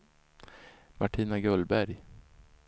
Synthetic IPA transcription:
mʔaʈʰiːnaɡœlbæɾj

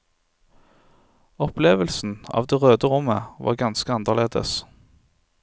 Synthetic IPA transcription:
ɔpleːʋəlsn̩ɑ̰ːʋd̪eːʁøːd̪əʁʊməʋɑ̰ːʁɡɑnskəɑnd̪əʁleːd̪ə̰s

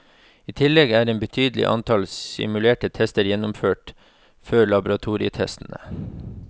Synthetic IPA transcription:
iːt̪ʰɪlɛɡæːɾeːnbət̪ʰyːd̪l̩ɪ̰ʔɑ̰nt̪ʰɑlsɪ̰mʉleːʈət̪ʰɛst̪əɾjɛnʊmføːʈ | føːɭɑbʊɾɑt̪ʰuːɾɪət̪ʰɛ̰st̪n̩ə̰

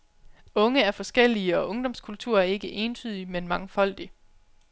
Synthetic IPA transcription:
ɔ̽ŋəæɐfɒ̽sɡ̥el̰iəɒ̽ʔɔ̽ŋd̥ɒ̽mskʰult͡sʰuɐ̰æe̝ɡ̥əʔe̝ːnt͡sʰyːðˠimenmɑ̈ŋəfɒ̽l̰d̥i

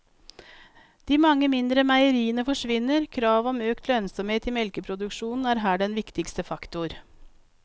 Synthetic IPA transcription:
d̪̥iːmɑŋːəmɪnd̪ɾəmæɪəɾiːənəfɔʂʋɪnːəɾkʰɾɑːʋɔmøːkt̪ʰlœnsɔmheːt̪ɪmɛlkəpʰɾʊd̪ʉkʂuːnn̩æːɾɦæːɖɛnʋɪkt̪ɪkst̪əfɑkt̪ʊɾ

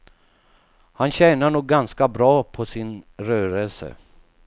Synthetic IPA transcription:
hanɕɛːnaɳuːɡ̚ːanskabɾɑːpʰɔsɪnɾœːɾəlsə̰

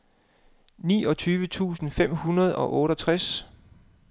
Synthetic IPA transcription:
nḭːɒ̽t͡sʰyːʋət͡sʰṵːsn̩fem̰hunɐð̞ˠɒ̽ʔɔ̽ːɾɒt͡sʰʁas

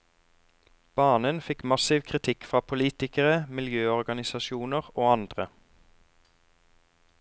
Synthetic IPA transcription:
b̥ɑːnənfɪkmɑsɪʋkʰʁɪt̪ʰɪkfʁɑːpʰʊliːt̪ɪkəʁəmɪljøːɔʁɡɑnɪsɑʃuːnəʁoːɑnd̪ʁə

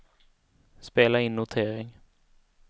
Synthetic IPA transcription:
speːlaɪnːʊt̪ʰeːɾɪŋ

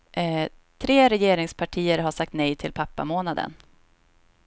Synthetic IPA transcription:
t̪ʰɾeːɾɛjeːɾɪŋspʰaʈʰiːəɾɦaʂak̚t̪nɛjt̪ʰɪlpʰapːa̰moːnad̪ə̰n

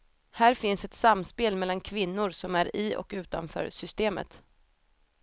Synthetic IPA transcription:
hæːɾfɪnsɛt̪samːspeːlmɛlːankʰvɪnːʊɾsɔmæɾɪɔ̰kʉ̟ːt̪a̰nfœ̰ːɾsʏst̪eːmə̰t̪

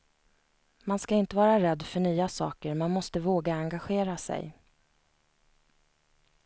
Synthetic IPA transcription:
manskaɪnt̪əvɑːɾaɾɛd̪ːfœɳyːasɑːkəɾmanmɔst̪əvoːɡaaŋɡaɧeːɾasɛ̰j

